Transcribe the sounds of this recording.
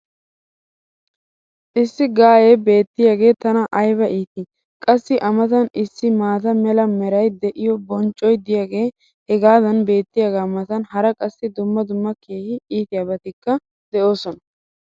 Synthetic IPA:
ʔɪsːɪɡaːjebe̞ːt̪ːɪjaːɡe̞ːt̪ɐnɐʔɐjbɐʔiːt̪ɪ | kʼɐsːɪʔɐmɐt̪ɐnɪsːɪmaːt̪ɐmɛlɐmɛɾɐjd̪ɛʔɪjɔbɔnt͡ʃʼːɔjd̪ɪjaːɡe̞ː | hɛɡaːd̪ɐnbe̞ːt̪ːɪjaɡaːmɐt̪ɐnhɐɾɐkʼɐsːɪd̪ʊmːɐd̪ʊmːɐkʰeːhɪiːt̪ɪjaːbɐt̪ɪkːɐ | d̪ɛo̞ːsɔnɐ

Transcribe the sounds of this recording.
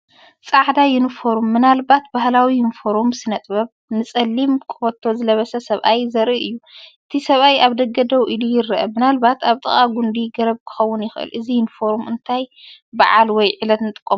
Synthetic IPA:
t͡sʼaʕd̪ajɪnfoɾumːɨnalbat̪̚bahlawijɪnfoɾumsɨnɐt̪ʼbɐβ | nɨt͡sʼɐlːimkʰɨ̥fɐt̪ʰːo̞zɨlɐβɐsɐsɐβʔajzɐɾiʔɨjːuʔɨt̪ʰisɐβajaβd̪ɐɡɐd̪ɐwʔilujɪɾɨʔɐmɨnalbat̪ʰaβt̪ʼɨ̰χʼaɡund̪iɡɐɾɐβkʰɨ̥xɐwːʊnjɪxʔɨ̰lʔɨzijɪnfo̞ɾmɨ̰nt̪ʰajba̰ʕalwɔjʕɨlɐt̪nɨt̪ʼɨkʼːom

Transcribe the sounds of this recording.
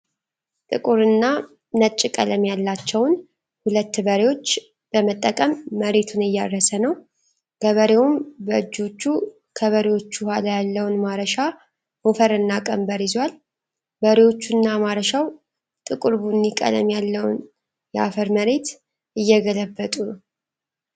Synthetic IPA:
t̪ʼɨkʼuɾɨnːa | nət͡ʃʼːɪkʼələmjalːat͡ʃːɛwn | hulət̪ːbəɾewo̞t͡ʃː | b̥əmət̪ʼːəkʼəmːəɾe̞t̪ʰunɨjːarːəsənəw | ɡəβəɾewumbəɨd͡ʒːo̞t͡ʃːu | kʰəβəɾewo̞t͡ʃːuhwalajalːəwnmaɾəʃa | mofəɾɨnːakʼəmbəɾizwal | bəɾewo̞t͡ʃːunːamaɾəʃaw | t̪ʼɨkʼɨɾbunːikʼə̰lə̰mjalːəw̰n | jɛafəɾməɾe̞t̪ | ɨjːɛɡələbːət̪ʼun

